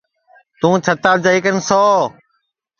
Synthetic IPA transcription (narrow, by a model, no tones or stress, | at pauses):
t̪ũːt͡ʃʰət̪aːd͡ʒaːiːkənsɔː